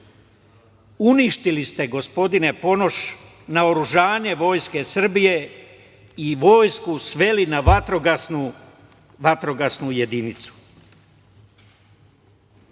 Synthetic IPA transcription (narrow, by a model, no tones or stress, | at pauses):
uniʃt̪ilist̪e̞ɡo̞spo̞d̪ine̞po̞no̞ʃ | naoɾuʒaːɲe̞ʋo̞ːjske̞sr̩bije̞ | iʋo̞ːjskusʋe̞linaʋat̪ɾoɡasnu | ʋat̪ɾo̞ɡasnuje̞d̪init̪su̥